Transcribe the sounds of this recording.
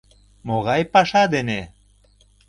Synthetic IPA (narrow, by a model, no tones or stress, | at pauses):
moɣɑjpɑʃɑd̪ene